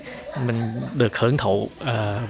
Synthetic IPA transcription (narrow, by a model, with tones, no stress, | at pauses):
mï˨˩ŋ̟ɗɨ˨˩ək̚hɨ˧˩əŋt̪ʰṵː˧˨˩